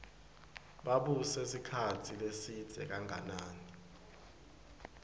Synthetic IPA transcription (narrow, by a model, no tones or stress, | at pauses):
ɓaɓusesikʰatʰilesid̥z̥ʱɛ̰k̬aŋa̰naːni